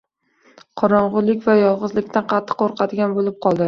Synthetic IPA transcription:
qʰɒɾɒɴʁʊɾlɪkʲvajɒlˠʁɨzlɪkʲt̪ʰanqʰɑt̪ʰːɨ̥qːoɾqʰɑd̪ɡʲanbolɪp̚qʰɒlˠd̪ɪ

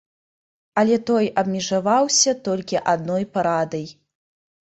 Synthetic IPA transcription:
ɐlʲɛt̪ɔjɐbmʲɛʐavawsʲɐt̪ɔlʲkʲiʔad̪nɔjpaɾad̪ɐj

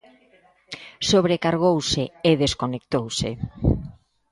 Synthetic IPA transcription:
soβ̞ɾekaɾɣ̞owsɪeðeskonek̚t̪owsḛ

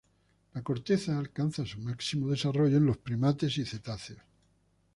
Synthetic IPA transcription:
lako̞ɾt̪e̞θaːlkanθasumaksimoð̞e̞saro̞ʝoenlo̞spɾimat̪e̞siθe̞t̪aθes

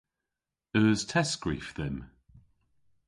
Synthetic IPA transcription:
əːz̥tʰɛsɡ̥ɹḭːˑfðɪm

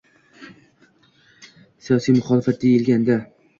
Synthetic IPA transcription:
sijɒsijmʊχɒlɪfat̪̚d̪ejɪlɡʲand̪a

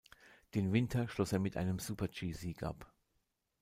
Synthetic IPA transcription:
d̥eːnvɪntʰɐʃlɔseːɐmɪtʰʔa̰ɪnəmzuːpɐt͡ʃiːziːkʔa̰p

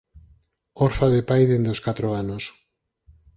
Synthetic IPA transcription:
oɾfaðepajðend̪oskat̪ɾoanos

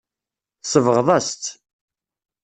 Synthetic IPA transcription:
səvəʁðˤɑst̪

